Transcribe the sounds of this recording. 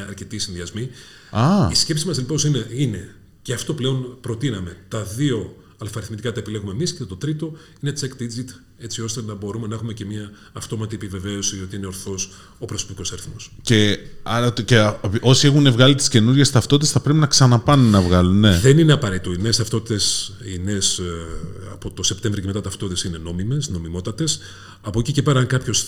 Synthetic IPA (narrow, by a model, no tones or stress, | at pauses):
ɐɾce̞t̪isinðiɐzmi | ɐisce̞psimɐseliposineine | ceɐft̪o̞ple̞o̞npɾo̞t̪inɐme̞t̪ɐðio̞ | ɐlfɐɾiθmit̪ikɐt̪ɐe̞pile̞ɣume̞miscet̪o̞t̪ɾit̪o̞ | ine̞t͡sekd̪id͡zit̪ | e̞t͡sio̞st̪e̞nɐbo̞ɾume̞nɐexume̞ce̞mɲɐː | ft̪o̞mɐt̪iepive̞ve̞o̞sio̞t̪iine̞o̞ɾθo̞s | o̞pɾo̞sopiko̞sɐɾiθmo̞sce̞ɐɾɐceʔo̞sie̞xune̞vɣɐlit̪i̥sce̞nuɾʝest̪ɐft̪o̞t̪t̪esθɐpɾe̞pinɐksɐnɐpɐnunːɐvɣɐlunːe̞ðe̞nineɐpɐɾeit̪oineːst̪ɐft̪o̞t̪it̪esine̞s | ɐ̰po̞t̪o̞se̞pt̪e̞ɱvɾicemet̪ɐt̪ɐft̪ot̪t̪esine̞no̞mime̞sno̞mimo̞t̪ɐt̪e̞s | ɐpocice̞peɾɐɐŋkɐpço̞s